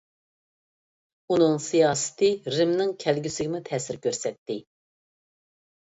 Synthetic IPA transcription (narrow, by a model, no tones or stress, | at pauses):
unɨŋsijɑːsɪ̥t̪ʰɨɾɪmnɪŋkʲʰælɡʲysɪɡʲɪmut̪ʰɛːsɪɾkʲʰøɾsɛt̪ːɪ